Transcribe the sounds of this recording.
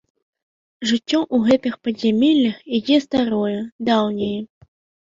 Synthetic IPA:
ʐɨt͡sʲːɔʔuɣɛt̪ɨxpɐzʲamʲɛlʲːɐxid͡zʲɛst̪aɾɔjɛd̪awnʲijɛ

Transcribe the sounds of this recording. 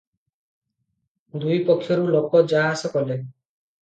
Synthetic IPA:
d̪ujpɔkʰːjɔɾulokɔd͡ʒaɦasɔkɔle

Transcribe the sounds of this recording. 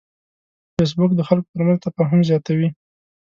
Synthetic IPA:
fes̬bʊkd̪əxalko̥p̪əɾmanzt̪afɑɦʊmzjɑt̪awi

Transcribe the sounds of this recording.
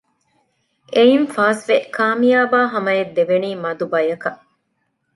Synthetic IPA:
ʔejinfaːsʋekʰaːmijaːbaːɦɐmɐed̪ːeʋeniːmɐd̪ubɐjɐkɐʔ

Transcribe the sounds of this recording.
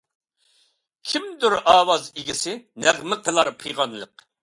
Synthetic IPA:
kʲʰimd̪yɾɑːwɑziɡʲɪsɪnæʁmɪqʰəlˠɑɾpʰɨjʁɑnlˠəq̚

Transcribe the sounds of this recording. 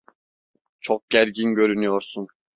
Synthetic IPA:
t͡ʃʰoq̚ɡ̥ʲæɾɡʲinɡʲøɾynyjoɾsun

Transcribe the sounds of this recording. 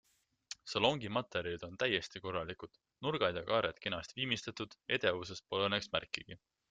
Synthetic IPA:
sɑlo̞ŋɡimɑt̪ːˑe̞ɾid̪̥o̞nt̪æje̞st̪iko̞rːɑlikud̪̥ | nurɡ̥ɑd̪ʲjɑkɑːɾjɑt̪kenɑst̪viːmist̪et̪ːˑud̪̥e̞d̪̥e̞vuse̞spo̞lɤnːeksmærkˑːiɡ̥i

